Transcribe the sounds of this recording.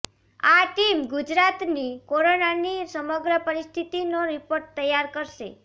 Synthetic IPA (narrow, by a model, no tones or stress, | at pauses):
aʈimɡud͡ʒɾat̪nikoɾonanisəməɡɾəpəɾist̪ʰit̪inoɾipoɾʈt̪əjːaɾkəɾʃḛ